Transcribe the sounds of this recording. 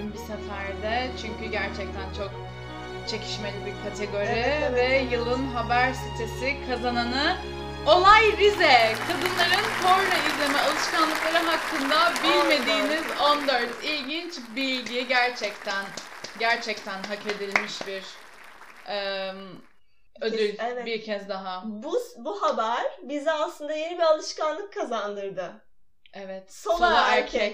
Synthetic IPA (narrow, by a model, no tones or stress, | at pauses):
ynbisɛfæɾd̪ɛt͡ʃʰyɲcyɟæɾt͡ʃʰɛc̚t̪ʰænt͡ʃʰo̞k̚ | t͡ʃʰe̞cʰi̥ʃme̞lʲibiɾkʰat̪ʰe̞ɡo̞ɾivɛjɯlˠɯnɦabæɾsit̪ʰesikʰazananɯ | o̞lˠajbizɛkʰad̪ɯnlˠaɾɯnkʰo̞ɾnaizlʲe̞mɛolˠɯʃkʰanlˠɯklˠaɾɯɦakʰːɯnd̪abilʲme̞d̪iːnizo̞nd̪øɾt̪ʰilʲɟint͡ʃbilʲɡijiɟæɾt͡ʃʰɛct̪ʰænɟæɾt͡ʃʰɛc̚t̪ʰænɦake̞d̪ilʲmiʃbiɾ | ʔɛm | ød̪ylʲbiɾcʰɛzd̪aɦabbuhabæɾbizɛalˠt̪ˠɯnd̪aje̞nibialˠɯʃkanlˠɯkʰːazand̪ɯɾd̪ɯ | ɛvɛt̪sooæɾkʰɛ